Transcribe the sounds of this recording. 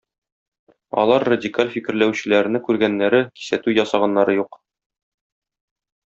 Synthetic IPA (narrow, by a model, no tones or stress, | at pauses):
ɒ̰lˠɑɾːɐdʲikalʲfikɘ̆ɾlæwɕɘ̆læɾ̆nɘkʉɾɡænːæɾɘki̥sæt̪ʉjɒsɑʁɑnːɑɾɤjuq